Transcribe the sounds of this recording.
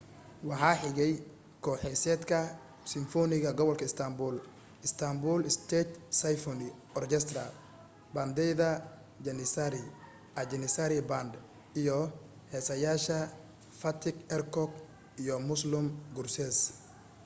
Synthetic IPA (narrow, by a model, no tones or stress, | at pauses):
wɑħɑːħɪɣɛj | kʰɔːħɛsɛːd̪kʰɐ | sɪɱfɔnɪɣɐɡɔβɔlkʰɐɪst̪ʰɐmbuːl | ɪst̪ʰɐmbuːlɪst̪ʰɛt̪sɐjfɔnɪɔrkɛst̪rɐ | bɐnd̪ɛjðɐ | d͡ʒɛnɪsaɾɪ | ʔɐd͡ʒɛnɪsaɾɪbɐnd̪ | ijɔ | hɛːsɐjaːʃɐ | fɐt̪ʰɪɡɛrkʰɔɡ | ijɔmʊslʊmɡʊrsɛs